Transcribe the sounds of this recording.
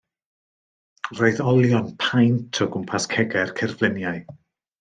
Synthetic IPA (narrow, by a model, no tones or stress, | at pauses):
roɨðɔlˠjɔnpʰajntʰɔɡʊmpʰaskʰɛɡɛrkʰɛrvlɪnjaɨ